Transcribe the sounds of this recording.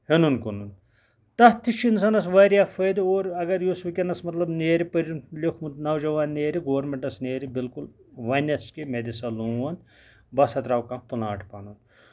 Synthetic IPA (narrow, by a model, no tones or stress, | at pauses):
henunkunun | t̪ɐt̪ʰːiʃins̬ɐnɐs̬ʋɐɾʲjaːfəːd̪oːɾɐɡɐɾjusʋikʲɐnɐsmɐt̪lɐbneːɾipɐɾunlʲikʰmut̪nɐwd͡ʒɐʋaːnːeːɾiɡoːɐɾmeɳʈɐsneːɾibilkulʋɐnʲɐskimed̪isɐlũːʋɐn | bɐsɐt̪ɾaːwkɐmt̪unaːʈʰpanun